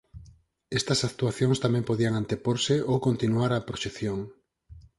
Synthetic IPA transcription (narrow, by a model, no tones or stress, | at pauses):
est̪ɐsak̚t̪uaθjoŋst̪amɛ̃mpoðiaŋant̪epoɾseʔowkont̪inuaɾapɾoʃeθjoŋ